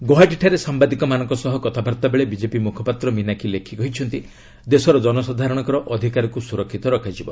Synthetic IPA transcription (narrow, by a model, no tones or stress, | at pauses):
ɡoɦaʈiʈʰaɾesambad̪ikɔmanɔ̃ŋkɔsɔɦɔkɔt̪ʰabʱaɾt̪abeɭebid͡ʒepimukʰɔpat̪ɾɔminakʰilekʰikɔɦit͡ʃʰɔnt̪i | d̪esɔɾɔd͡ʒɔnɔsad̪ʱaɾɔɽ̃ɔŋkɔɾɔʔɔd̪ʱikaɾɔkusuɾɔkʰːit̪ɔɾɔkʰad͡ʒibɔ